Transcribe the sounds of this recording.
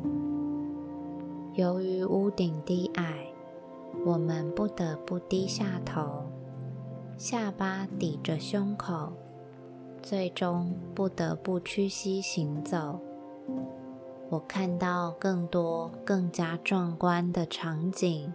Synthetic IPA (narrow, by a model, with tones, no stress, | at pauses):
jo˧˥ʊy˧˥u˥t̪i˨˩ŋt̪i˥˩ʔa˥˩ɪ | wɔ˨˩mə˦npu˥˩t̪ə˧˥pu˥˩t̪i˥ɕja˥˩t̪ʰo˧˦ʊ | ɕja˥˩pa˥t̪i˨˩ʈ͡ʂə˦ɕjʊ˥ŋkʰo˨˩˦ʊ | t͡swe˥˩ɪʈ͡ʂʊ˥ŋpu˥˩t̪ə˧˥pu˥˩t͡ɕʰy˥ɕi˥ɕi˧˥ŋt͡so˨˩˦ʊ | wɔ˨˩kʰa˥˧nt̪ɑ˥˧ʊkɤ˥˩ŋt̪wɔ˥kɤ˥˩ŋt͡ɕja˥ʈ͡ʂwɑ˥˩ŋkwa˥nd̪ə˨ʈ͡ʂʰɑ˧˥ŋt͡ɕi˨˩˦ŋ